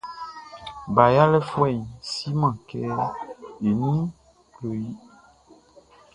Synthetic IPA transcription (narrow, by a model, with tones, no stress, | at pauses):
ba˨ja˦lɛ˦fɔ˦ɛ˨si˦mã˨kɛ˦ | e˨nĩ˦ | klo˨ji˦